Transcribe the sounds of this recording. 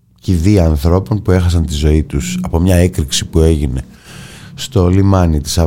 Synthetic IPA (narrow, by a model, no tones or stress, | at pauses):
ciðiɐːnθɾo̞po̞npue̞xɐs̬ɐnt̪izo̞it̪usɐpo̞mɲɐe̞kɾiksipue̞ʝine̞ | st̪o̞limɐnit̪i̥sɐ